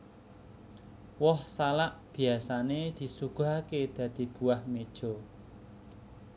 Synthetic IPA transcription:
wɔhsalaʔb̥i̤asaned̪̥i̤suɡ̥o̤ɦaked̪̥ä̤d̪̥i̤b̥uahmed̥ʒ̥ɔ̤

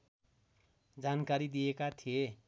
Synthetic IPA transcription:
d͡zankaɾid̪ijekat̪ʰije

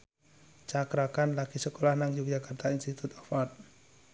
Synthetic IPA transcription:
t͡ʃakɾakanlaɡ̥isəkolahnaŋd͡ʒuk̚d͡ʒakart̪ainst̪it̪ut̪ɔfɔt̪̚

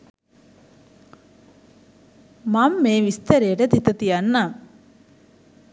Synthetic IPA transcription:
mamːeːʋist̪əɾejəʈət̪it̪ət̪ijanːam

